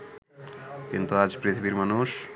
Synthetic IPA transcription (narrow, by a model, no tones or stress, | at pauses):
kint̪uad͡ʑpɾit̪ʰibiɾmanuʃ